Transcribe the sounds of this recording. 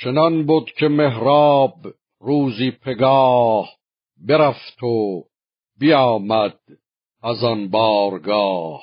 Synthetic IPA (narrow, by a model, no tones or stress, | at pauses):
t͡ʃʰenɒnbud̪cʰemeɦɾɑːb | ruːziːpʰeɡɑːh | beɾæft̪ʰo | bijɑːmæd̪̥̚ | æzɒnbɑːɾɡɑːh